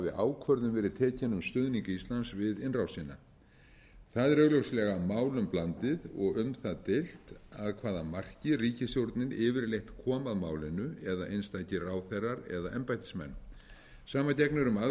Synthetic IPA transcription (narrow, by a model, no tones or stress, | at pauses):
vɪʔaːwkʰvœɾðʏmvɛːɾɪðt̪ʰɛːcanʏmst̪ʏðniŋkaist̪lansvɪðɪnrawsinːa̰ | θaðɪɾœɣlowslɛɣamaːwlʏmplant̪ɪðɔɣʏmθaðt̪ɪl̥t̪aðkʰvaːðamar̥cɪriːcɪsjowɾt̪nɪnɪːvɪɾlejht̪kʰɔːmaðmaːwlɪnʏɛðaʔejnst̪ajcɪraːwθerːaɾɛ̰ðaʔɛmpajt̪ɪ̥smɛ̰n | saːmacɛknʏɾʏma